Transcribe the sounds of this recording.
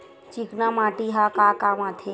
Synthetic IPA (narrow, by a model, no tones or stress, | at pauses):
t͡ʃiknamãːʈiɦakakamat̪ʰe